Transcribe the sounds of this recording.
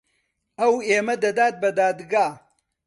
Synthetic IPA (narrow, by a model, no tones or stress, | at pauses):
ɐweːmɐd̪ɐd̪aːt̪̚bɐd̪aːd̪ɡaː